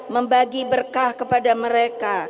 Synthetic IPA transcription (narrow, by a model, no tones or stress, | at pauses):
məmbaɡibərkahkəpadaməɾeka